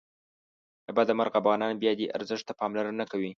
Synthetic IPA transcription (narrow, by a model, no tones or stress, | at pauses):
əbad̪amaɾɣafɣɑnɑnbjɑd̪eʔa̰ɾzəʃt̪apɑmlaɾanakawi